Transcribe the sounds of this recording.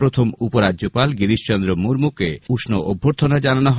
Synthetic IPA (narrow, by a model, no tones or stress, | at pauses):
ɾot̪ʰomupoɾadjopalɡiɾiʃt͡ʃɔnd̪ɾomuɾmukeuʃnoʔobʱːoɾt̪ʰonad͡ʒananɔɦ